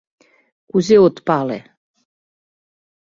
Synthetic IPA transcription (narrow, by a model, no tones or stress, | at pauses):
kuzeɔt̪palɛ̰